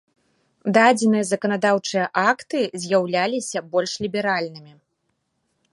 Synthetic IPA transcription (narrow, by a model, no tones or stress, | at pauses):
d̪ad͡zʲɛnɨjɐzɐkɐn̪ad̪awt͡ʂɨjɐʔakt̪ɨzʲjawlʲalʲisʲɐbɔlʲʂlʲibʲɛɾalʲnɨmʲi